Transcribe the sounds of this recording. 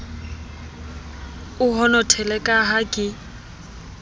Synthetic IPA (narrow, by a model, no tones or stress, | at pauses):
ʊɦɔnɔtʰɛlɛkʼaɦakʼɪ